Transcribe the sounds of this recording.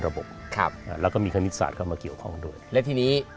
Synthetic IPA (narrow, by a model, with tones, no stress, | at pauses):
ɾa˧bo̰˨˩p̚kʰa̰˧˩p̚ʔaː˧˩lɛː˦˥wkɔː˥˩miː˧kʰa˧ni˦˥t̪̚sa̰ː˨˩t̪̚kʰa˥˩maː˧ki˨˩əwkʰɔ˥˩ŋdu˥˩əjlɛ˦˥wt̪ʰiː˧niː˦˥